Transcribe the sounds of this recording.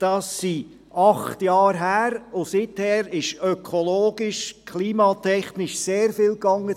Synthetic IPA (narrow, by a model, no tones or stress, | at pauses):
d̥ɑːsːi | ɑχtjɑːɾɦæːɾʊsɪthɛːɾɪʃœkʰɔloːɡ̥ɪʃkʰliːmɑtʰɛχnɪʃseːɾfɪlkɑŋːə